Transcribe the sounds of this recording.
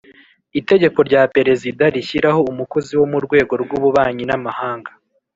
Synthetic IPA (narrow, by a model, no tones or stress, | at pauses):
ite̞ɟe̞ko̞ɾɟaːpe̞ɾe̞zidaɾiçiɾaho̞umukoziwo̞muɾɡwe̞ːɡo̞ɾɡuβuβaːɲinamahaːŋɡa